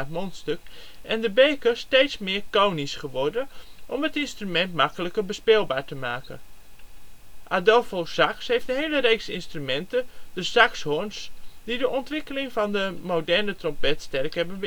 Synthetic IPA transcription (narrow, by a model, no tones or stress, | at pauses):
tmontstøkʔɛndəbeːkəstejtsmɪːɹkownisχəʋɔɹdənʔɔmətɪnstrymɛntmɑkələkəɹbəspɪlˠbaːɹtəmaːkə̰n | ʔadɔlˠfosɑkshejftdəɦejləɾejksɪ̰nstrymɛntədəsɑkshɔɹnsdidəʔɔntʋɪkəlɪŋvɑndəmowdɛɹnətrɔmpɛtstɛrkɦɛbənʋ